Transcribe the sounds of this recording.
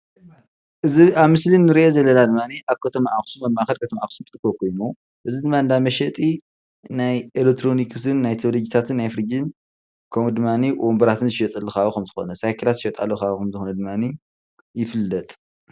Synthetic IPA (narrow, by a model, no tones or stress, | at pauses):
ʔɨziaβmɨslinːɨɾiʔezɐlːɐnad̪ɨmːaniʔaβkʰɐt̪ʰɐmaʔaxsumɐmːaʔaxɐlkʰɐt̪ʰɐmaʔaxsumt̪ʼɨɾkːokʰo̞jno | ʔɨzid̪ɨmːaɨnd̪amɐʃɛt̪ʼi | najʔelek̚t̪ʰɾo̞nikʰɨs̬ɨnːajt̪ʰɐβlod͡ʒit̪ʰat̪ʰɨnːajfɨɾɨd͡ʒɨn | kʰɐmud̪ɨmːaniwʔombɐɾat̪ʰɨnzɨʃɛt̪ʼɐlːukaβuxɐmzɨxo̞nɐsajkʰɐlat̪zɨʃɛt̪ʼalːukakɐmzɨxonɐd̪ɨmːani | jɪfɨlːɐt̪ʼ